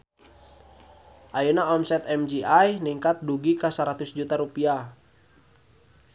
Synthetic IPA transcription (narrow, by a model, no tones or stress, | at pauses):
ʔajunaɔmsɛt̪ɛmd͡ʒiajniŋkat̪̚duɡikəsaɾat̪usd͡ʒut̪aɾupia